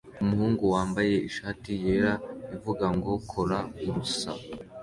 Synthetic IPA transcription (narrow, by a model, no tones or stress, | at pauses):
umuhuːŋɡuwaːmbaje̞iʃaːtije̞ɾaivuɡaŋɡo̞kʰo̞ɾauɾusa̰